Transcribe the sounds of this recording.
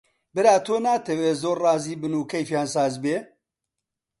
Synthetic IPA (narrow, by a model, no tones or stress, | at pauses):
bɨɾaːt̪ʰoːnaːt̪ʰɐweːzoːɾrɑːziːbɨnuːkʰɐjfjaːnsaːzbeː